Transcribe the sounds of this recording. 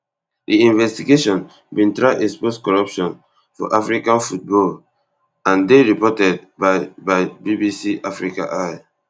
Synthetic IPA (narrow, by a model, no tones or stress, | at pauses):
diĩnvɛstiɡeʃɔ̃n | bĩntɹaɪʔɛksposkɔɹapʃɔ̃n | fɔ̰ʔafɹikãnfut̚bɔl | ãndeɹipɔtɛd̚baɪbaɪbibisiafɹikã̰ʔaj